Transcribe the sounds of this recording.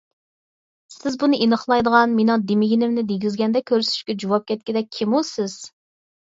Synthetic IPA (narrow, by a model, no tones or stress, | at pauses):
sɪzbunɨʔinəχlˠɑjd̪əʁɑnmenʊŋd̪emɪɡʲinɪmnɪd̪eɡʲizɡʲɛnd̪ɛkʲʰøɾsy̥ʃkʲɛd͡ʒowɑp̚kʲʰɛt̪̚kʲɪd̪ɛk̚ʲʰimusɪz̥